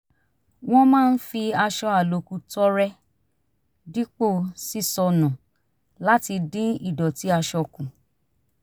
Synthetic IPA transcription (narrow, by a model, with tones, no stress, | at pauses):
w̃ɔ̃˦mãː˦˧n̩˦fi˧a˧ʃɔ˧a˨lo˨ku˧tɔ˦ɾɛ˦ | di˦k͡po˦˨si˦sɔ˧nũ˨ | la˦ti˧dĩ˦i˦˨dɔ˨ti˨˦a˧ʃɔ˧kũ˨